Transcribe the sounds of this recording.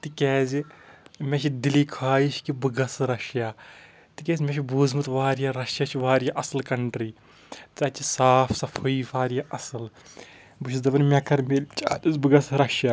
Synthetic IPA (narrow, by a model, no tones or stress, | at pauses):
t̪ɨkɛːzimʲeʃid̪ilikʰaːjiʃkibɨɡɐsɾɐʃjaː | t̪ɨkɛːzʲmʲẽʃibuːzmɨt̪ʋaːɾjaɾɐʃjat͡ʃʰiʋaːɾijaʔɐsɐlkɐɳʈɾiː | t̪ɨɐt͡ʃisaːpʰsɐfʰoiːfʰaːɾijaʔɐsɨl | bɨʃʰizd̪ɐbɐnmʲɛkɐɾmelʲt͡ʃaːɗɐzbɨɡɐsɾɐʃja